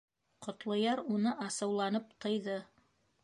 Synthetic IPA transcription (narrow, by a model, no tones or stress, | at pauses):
qŏt̪lˠɤ̆jɑɾunɤʔɑsɤ̆wlˠɑnɤp̚t̪ɤ̆jðɤ